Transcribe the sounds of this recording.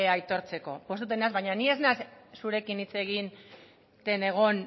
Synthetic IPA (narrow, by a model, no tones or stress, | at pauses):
eajt̪o̞ɾt͡se̞ko̞̰pwo̞st̪ut̪̬enazβajɲanie̞znassuɾe̞kinit͡se̞ɣ̞in | t̪e̞ne̞ɣ̞o̞n